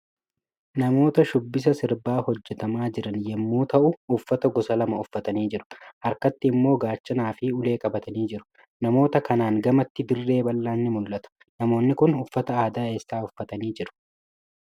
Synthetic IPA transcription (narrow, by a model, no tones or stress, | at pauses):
nɐmo̞ːt̪ɐʃʊbːɪs̬ɐsɪɾbaːhɔd͡ʒːɛt̪ɐmaːd͡ʒɪɾɐnjɛmːuːt̪ɐʔʊʊfːɐt̪ɐɡɔsɐlɐmɐʊfːɐt̪ɐniːd͡ʒɪɾʊ̥hɐɾkɐt̪ːɪːmːo̞ːɡaːt͡ʃːɐnaːfɪʊle̞ːkʼɐbɐt̪ɐniːd͡ʒɪɾʊ̥ | nɐmo̞ːt̪ɐkɐnaːŋɡɐmɐt̪ːɪd̪ɪrːe̞ːbɐlːaːnːɪmʊlːɐt̪ʊ̥ | nɐmo̞ːnːɪkʊnʊfːɐt̪ɐaːd̪aːe̞ːsːaːʊfːɐt̪ɐniːd͡ʒɪɾʊ̥